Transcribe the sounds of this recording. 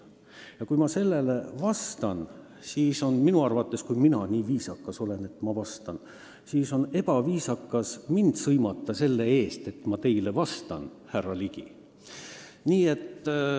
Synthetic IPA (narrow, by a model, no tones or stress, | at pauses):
jɑkujmɑse̞lːe̞levɑst̪ɑn | siːso̞nminuɑrvɑt̪ːˑe̞skujminɑniːviːsɑkːˑɑso̞le̞ne̞t̪ːˑmɑvɑst̪ɑn | siːso̞ne̞b̥ɑviːsɑkːˑɑsmind̪̥sɤjmɑt̪ːˑɑse̞lːe̞e̞ːst̪e̞t̪mɑt̪e̞jlevɑst̪ɑ̰nhærːɑliɡi | niːe̞t̪ː